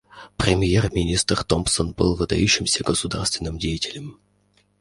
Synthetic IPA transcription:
pɾʲɪmʲjermʲɪnʲist̪rt̪ompsənbɨlˠvɨd̪ɐ̰juɕːɪmsʲəɡəsʊd̪a̰rst̪vʲɪnːɨmdʲejɪtʲɪlʲɪm

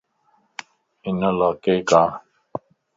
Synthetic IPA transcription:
ɪnəlakekaː

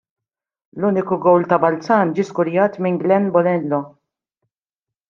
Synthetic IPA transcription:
luːnɪkʊɡɔwlt̪ɐbɐlt͡sɐːnd͡ʒiːskʊɾjɐːt̪mɪŋɡlɛnbɔlɛnlɔ

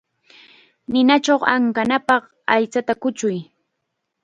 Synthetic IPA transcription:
nɪnat͡ʃowaŋkanapɑχ | ajt͡sat̪akʊt͡ʃʊj

